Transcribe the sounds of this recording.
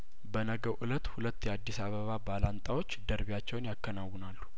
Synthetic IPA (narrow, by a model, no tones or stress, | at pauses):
bənəɡəwʔɨlət̪ːhulət̪ːjɛad̪ːisaβəβabalant̪ʼawo̞t͡ʃːd̪əɾβjat͡ʃːɛwnjakːənawːʊnalːu̥